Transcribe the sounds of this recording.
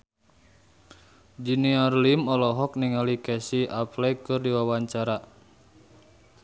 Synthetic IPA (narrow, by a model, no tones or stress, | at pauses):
d͡ʒiniarlimɔlɔɦɔk̚niŋalikɛsiʔaplɛkɨrdiwawaɲt͡ʃaɾa